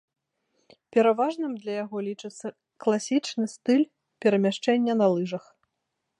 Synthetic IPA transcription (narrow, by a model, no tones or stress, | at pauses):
pʲɛɾavaʐnɨmd̪lʲɐjaɣɔlʲit͡ʂɨt̪sːɐ | klˠasʲit͡ʂnɨst̪ɨlʲ | pʲɛɾɐmʲaʂt͡ʂɛnʲːɐnɐlˠɨʐɐx